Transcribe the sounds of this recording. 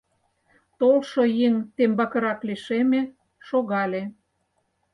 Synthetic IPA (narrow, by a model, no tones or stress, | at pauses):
t̪olʃojeŋt̪embɑkə̆ɾɑkliʃeme | ʃoɣɑlʲe